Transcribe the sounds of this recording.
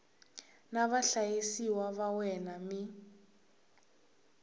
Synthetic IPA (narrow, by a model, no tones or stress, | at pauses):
naβaɬajisiwaβawɛnami